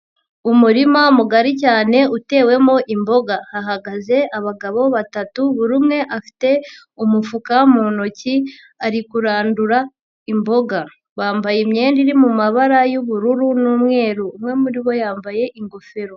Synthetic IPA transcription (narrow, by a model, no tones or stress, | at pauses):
umuɾimamuɡaɾicaːne̞ute̞ːwe̞mo̞ʔimbo̞ɡahaɦaɡaze̞aβaɡaβo̞βatatuβuɾumŋe̞ʔafi̥te̞ | umufukamunoci | aɾikuɾaːnduɾa | imbo̞ɡa | βaːmbajimɲe̞ːndiɾimumaβaɾajuβuɾuɾunuːmŋe̞ːɾuːmŋe̞muɾiβo̞jaːmbaje̞ʔiŋɡo̞feɾo